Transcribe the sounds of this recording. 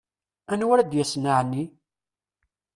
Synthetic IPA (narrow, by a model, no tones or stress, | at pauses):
ænwaɾæd̪jæsnaʕnːi